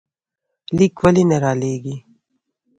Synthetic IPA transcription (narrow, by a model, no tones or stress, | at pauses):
likwɐlineɾaːleːɡi